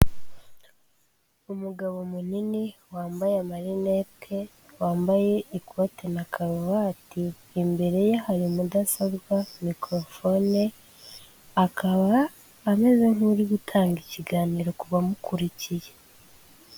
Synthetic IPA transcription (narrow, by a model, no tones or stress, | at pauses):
umuɡaβo̞muniniwaːmbajamaɾinepkʰe | waːmbaje̞ikwotenakʰaɾuβaːtiː | mbe̞ɾe̞jahaɾimudasaβɡamikɾo̞fo̞ne | akʰaβaː | me̞ze̞ŋuɾiɡutʰaːŋɡiciɡaːniːɾo̞kuβamukuɾicije̞